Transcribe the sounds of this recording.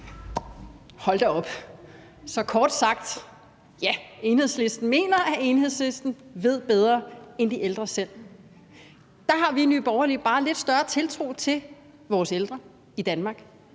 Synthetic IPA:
hɒ̽l̰d̥eɒ̽b̥ | sɒ̽kʰɒːd̥sɑ̈ɡ̥̚d̥ | jæe̝nhe̝ðˠsle̝sd̥n̩me̝̰ːnɐʔæe̝nhe̝ð̰ˠsle̝sd̥n̩ʋe̝ð̞̰ˠb̥eð̞ˠʁɐend̥iʔeld̥ʁɐsel̰ | d̥ɑ̈ɦɑ̈ʋinyb̥ɒʊɐlib̥ɑ̈ːle̝d̥sd̥ɶɐt͡sʰe̝lt͡sʰʁo̝̰ːt͡sʰe̝l | ʋɒːseld̥ʁɐ | id̥ænmɑ̈ːɡ̥

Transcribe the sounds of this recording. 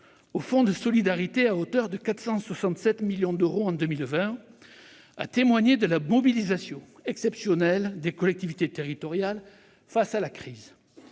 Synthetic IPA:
ofɔ̃d̪əsɔlid̪aʁit̪eaot̪œʁd̪əkat̪χsɑ̃swasɑ̃t̪sɛt̪miljɔ̃d̪øʁoɑ̃d̪əmilvɛ̃ | a̰t̪emwaɲed̪əlamɔbilizasjɔ̃ɛksɛpsjɔnɛld̪ekɔlɛk̚t̪ivit̪et̪eʁit̪ɔʁjal | fasalakχiz

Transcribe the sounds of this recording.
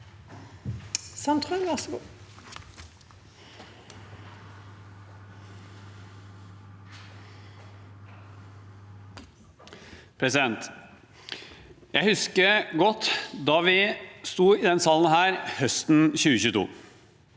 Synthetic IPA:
sɑnt̪ʰʁɑŋʋɑʁsɔɡṵː | pʰɾɛsɪd̪ɛnt̪ | jæɪhʉskəɡɔt̪ːd̪ɑːʋɪst̪uːɪd̪ɛnsɑlən̩hæːɾhœst̪n̩ɕʉːəçʉːt̪ʰṵː

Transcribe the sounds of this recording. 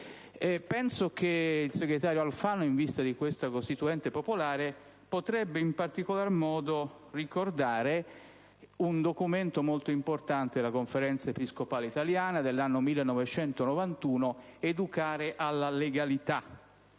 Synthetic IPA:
ɛpɛnsok̟eilseɡɾet̪aːɾjoalfaːnoiɱvist̪ad̪ikwest̪akost̪it̪uɛnt̪epopolaːɾe | pot̪ɾɛbːeimpart̪ikolarmɔːd̪o | rikord̪aːɾe | und̪okument̪omolt̪oimport̪ant̪ed̪elakoɱfeɾɛnt̪saepiskopaːleit̪aljaːnad̪elːanːomilːenːɔvet͡ʃɛnt̪onovant̪uːnoed̪ukaːɾeʔalːaleɡalit̪a

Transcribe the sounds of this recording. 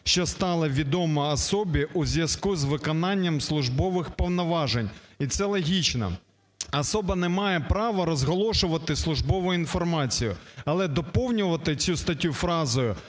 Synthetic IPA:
ʃt͡ʃɔst̪ɑlˠɪʋʲid̪ɔmɐɐsɔbʲiʔuzʲjɐzkuzʋɪkɔnɑnʲːɐmslˠʊʒbɔʋɪxpɔwnɔʋɑʒenʲit̪sɛlˠɔɦʲit͡ʃnɐ̰ | ɐsɔbɐnɛmɑjɛpɾɑʋɐɾɔzɦɔlˠɔʃʊʋɐt̪ɪslˠʊʒbɔʋʊjʊinfɔrmɑt͡sʲijʊ̰ɐlˠɛd̪ɔpɔwnʲʊʋɐt̪ɪt͡sʲust̪ɐtʲːufɾɑzɔjʊ

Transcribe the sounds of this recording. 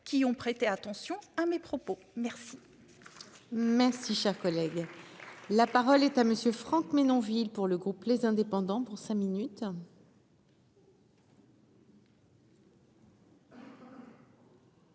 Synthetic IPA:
kʲiɔ̃pχet̪eat̪ɑ̃sjɔ̃amepχɔpo | mɛʁsi | mɛʁsiʃɛʁkɔlɛɡ | lapaʁɔlɛt̪aməsjøfχɑ̃kmenɔ̃vilpuʁləɡʁuplezɛ̃d̪epɑ̃d̪ɑ̃puʁsɛ̃minyt̪

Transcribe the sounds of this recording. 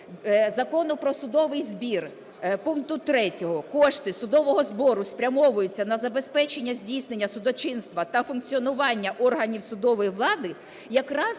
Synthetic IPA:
zɐkɔnʊpɾɔsʊd̪ɔʋɪjzbʲir | puŋk̚t̪ʊt̪ɾɛtʲɔɦɔkɔʃt̪ɪsʊd̪ɔʋɔɦɔzbɔɾʊspɾʲɐmɔʋʊjʊt͡sʲːɐnɐzɐbespɛt͡ʃenʲːɐzʲdʲijsne̞nʲːɐsʊd̪ɔt͡ʃɪnst̪ʋɐt̪ɐfʊnk̚t͡sʲiɔnʊʋɑnʲːɐʔɔrɦɐnʲiwsʊd̪ɔʋɔjiʋlˠɑd̪ɪ | jɐkɾɑz

